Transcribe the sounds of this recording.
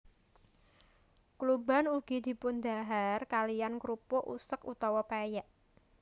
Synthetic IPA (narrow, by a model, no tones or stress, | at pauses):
kluba̤nuɡ̥i̤d̪̥i̤pʊnd̪a̤ɦarkalijankɾupʊʔṵsəkut̪ɔwɔpajaʔ